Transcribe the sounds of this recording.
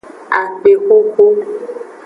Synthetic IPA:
a˨k͡pe˨xo˦xo˦

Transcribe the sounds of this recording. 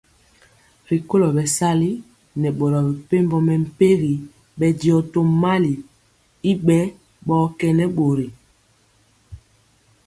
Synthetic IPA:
ɾi˨ko˦lɔ˨bɛ˨sa˦li˦ | nɛ˨ɓo˨ɾɔ˨bɛ˨pe˦mbɔ˦mɛ˨m̩˨pe˦ɣi˨ | ɓɛ˨di˨ɔ˨to˨ma˦li˨ | i˦ɓɛ˦ | ɓɔː˦kɛ˨nɛ˦ɓo˨ɾi˨

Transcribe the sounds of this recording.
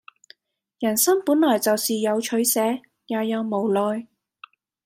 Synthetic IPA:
jɐ˨˩nsɐ˥ŋpuː˨˥nlɔː˨˩jt͡sɐ˨wsiː˨jɐ˨˧wt͡ʃʰɵ˨˥ɥsɛː˨˥ | jaː˨˧jɐ˨˧wmo˨˩wlɔː˨˧j

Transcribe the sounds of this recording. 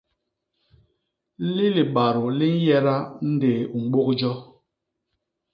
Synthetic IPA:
li˦li˨ɓa˨ɾu˨li˦n̩˦jɛ˦ɾa˦n̩˦deː˨u˨ŋ͡m̩˨˦ɡ͡bo˦k̚d͡ʒɔ˦

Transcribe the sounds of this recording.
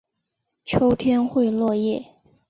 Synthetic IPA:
t͡ɕʰo˥ʊt̪ʰjɛ˥nxwe˥˧ɪlwɔ˥˧jɛ˥˩

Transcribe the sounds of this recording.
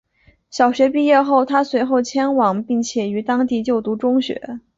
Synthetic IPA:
ɕjɑ˨˩ʊɕɥɛ˧˥pi˥˧jɛ˥˧xo˥˩ʊt̪ʰa˥swe˧˥ɪxo˥˩ʊt͡ɕʰjɛ˥nwɑ˨˩˦ŋpi˥˩ŋt͡ɕʰjɛ˨˩y˧˥t̪ɑ˥ŋt̪i˥˧t͡ɕjo˥˩ʊt̪u˧˥ʈ͡ʂʊ˥ŋɕɥɛ̰˧˥

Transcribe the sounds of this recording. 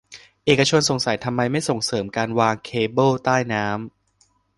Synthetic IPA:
ʔeː˨˩kːa˧t͡ɕʰo˧nso˨˩˦ŋsa˨˩˦jt̪ʰa˧mːa˧jma˥˩jso˨˩ŋsɤː˩˦mkaː˧nwaː˧ŋkʰeː˧bɤː˥˩wt̪aː˥˩jnaː˦˥m

